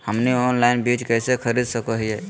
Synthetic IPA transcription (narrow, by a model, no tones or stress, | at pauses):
həmnionlainbid͡ʒkəjsekʰəɾid̪səkəɦije